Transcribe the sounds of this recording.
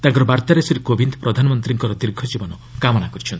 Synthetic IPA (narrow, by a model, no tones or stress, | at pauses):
t̪ãŋkɔɾɔbaɾt̪aɾesiɾekobind̪pɾɔd̪ʱanɔmɔnt̪ɾiŋkɔɾɔd̪iɾɡʱɔd͡ʒibɔnɔ | kamɔnakɔɾit͡ʃʰɔnt̪i